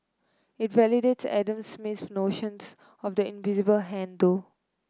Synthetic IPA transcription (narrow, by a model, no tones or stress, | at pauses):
ɪtvɛlideʈsɛ̰də̃msmɪtnoːʃə̃ns | ɔfd̪əɪ̃nvɪzɪbəlɦɛ̃nd̪o